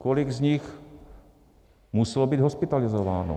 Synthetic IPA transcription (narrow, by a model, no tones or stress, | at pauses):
kolɪɡzɲɪx | musɛlobiːd̪ɦospɪt̪alɪzovaːno̰